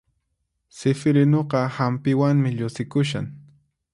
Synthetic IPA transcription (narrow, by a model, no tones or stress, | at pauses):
sɪfɪɾɪnoqɑhampɪwaŋmɪʎʊsɪkʊʃ̬a̰ŋ